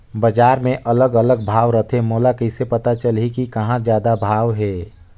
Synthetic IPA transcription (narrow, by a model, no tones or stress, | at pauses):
bəd͡ʒaːɾmẽʔələɡələɡ̚bʱaːʋɾət̪ʰemoːlakəɪsepət̪at͡ʃəlɦikikɐɦãd͡ʒjaːd̪abʱaːʋɦeː